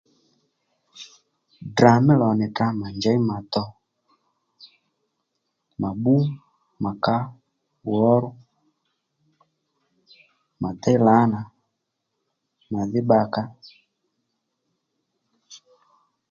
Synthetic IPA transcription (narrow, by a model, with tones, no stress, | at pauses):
dɾa˨mɪ˦lɔ˨nɛ˨dɾa˦ma˨ɲd͡ʒa˨˦i˦ma˨t̪ɔ˧ | ma˨ɓu˦ | ma˨ka˦˨ | wɔ˦ɾʊ˦ | ma˨t̪ɛ˦i˦la˨˦na˨ | ma˨ðɪ˦ɓa˧ka˦